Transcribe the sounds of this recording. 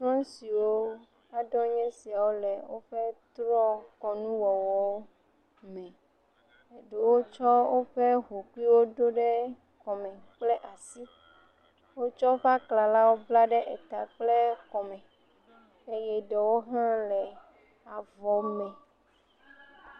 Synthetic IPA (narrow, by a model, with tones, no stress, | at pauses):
t̪ɾɔ̃˦si˨wo˦ | a˨ɖɔ˦ɲɛ̃˦si˨a˨wo˦lɛ˨wo˦ɸɛ˦t̪ɾɔ̃˦kɔ˨nũ˦wɔ˨wɔ˨wo˦ | mɛ̃˨ | e˨ɖe˨wo˦t͡ʃɔ˦wo˦ɸe˦ɦo˨ku˦i˦wo˦ɖo˦ɖɛ˦ | kɔ˨mɛ̃˨k͡plɛ˦ʔa˨si˦ | wo˦t͡ʃɔ˦ɸa˦kla˨la˦wo˦bla˦ɖɛ˦ʔe˨t̪a˨k͡ple˦kɔ˨mɛ̃˨ | e˦jɛ˦ɖɛ˨wo˦ɦã˦lɛ˨ | a˨vɔ˨mɛ̃˨